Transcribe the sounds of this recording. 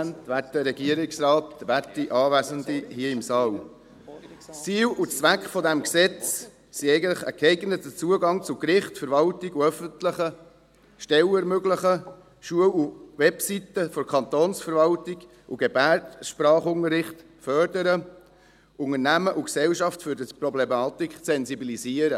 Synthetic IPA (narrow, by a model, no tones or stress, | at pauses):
nt̪ʋært̚dəɾɛɡiəɾɪksɾɑːtʋærtːiʔɑːʋæzənd̪ihiəɪmsɑːl | t͡siːwut͡sʋækχfɔd̪æmksɛt͡s | siɛɪɡəntləχə̰kɛɪɡnət̪ət͡suəɡɑŋt͡sʊkɾɪχtfəɾvɑltiɡuœfəntləχə | ʃtɛləɾmøɡləχə | ʃuəwuwɛpsitəfɔɾkʰɑnt̪oːnsfəɾvɑltiɡ | uɡ̥ebærtʃpɾɑːχʊŋəɾɪχt | fœrdəɾə | ʊŋənæməʔuksɛwʃɑftfʏɾdəprɔblemɑːt̪ikχsɛnsibilisiːəɾə